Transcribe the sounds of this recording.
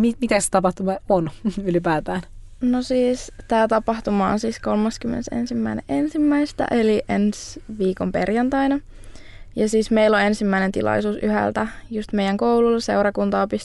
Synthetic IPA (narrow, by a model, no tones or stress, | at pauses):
mimit̪æse̥t̪ɑpɑht̪umɑonylipæːt̪æːn | nosiːst̪æːt̪ɑpɑht̪umɑːnsiːskolmɑskymːḛnesḛnsimːæinḛʔensimːæist̪æ̰ʔeliʔensʋiːkompḛrjɑnt̪ɑinɑ | jɑsiːsmeilːoensimːæinent̪ḭlʔɑ̰isuːsy̰hæ̰lt̪æjust̪mejæŋkoululseurɑkunt̪ɑːpis